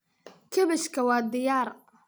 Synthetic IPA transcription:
kʰɐβɛʃkʰɐwɑːd̪ɪjaːr

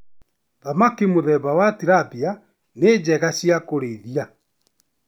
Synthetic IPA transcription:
ðamakimoðɛβawatiɾapia | ned͡ʑɛɣaɕjakoɾeðia

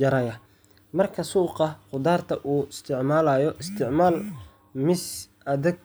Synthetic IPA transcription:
d͡ʒɐɾɐjɐ | mɐrkʰɐsuːqɑqʊd̪aːrt̪ʰɐʔuːɪst̪ʰɪʕmaːlaːjɔʔɪst̪ʰɪʕmaːl | mɪsʔɐðɛɡ̚

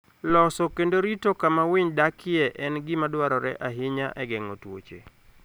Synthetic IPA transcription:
lɔsɔkendoɾitokamawɪɲdakʰɪɛʔɛnɡɪmadwaɾɔɾɛ̰ʔaɦɪɲaʔɛɡɛŋotwo̰t͡ʃḛ

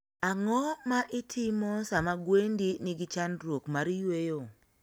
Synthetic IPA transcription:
aŋɔmaʔɪtʰimɔsamaɡwendinɪɡɪt͡ʃanɾwokmaɾjwejo

